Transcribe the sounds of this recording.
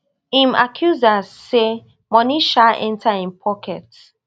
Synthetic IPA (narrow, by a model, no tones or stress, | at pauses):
ĩma̰kʰjuzasːe | mɔniʃaʔɛ̰̃ntʰaĩnpʰɔkɛt